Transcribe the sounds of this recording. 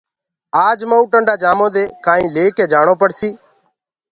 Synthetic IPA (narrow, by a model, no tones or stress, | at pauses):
aːd͡ʒməːuːʈəɳɖaːd͡ʒaːmõːd̪eːkaːĩːleːkeːd͡ʒaːɳoːpəɽsiː